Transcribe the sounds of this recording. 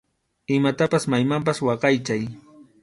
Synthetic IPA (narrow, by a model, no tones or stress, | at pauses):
ɪmat̪apasmajmamp̬aswɑqɑjt͡ʃaj